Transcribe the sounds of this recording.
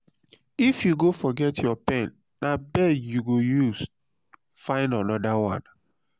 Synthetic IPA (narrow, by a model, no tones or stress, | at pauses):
ifjuɡofɔɡɛtʰjɔpɛ̃nːabɛdjuɡojuz | fãɪ̃ndanɔdawãn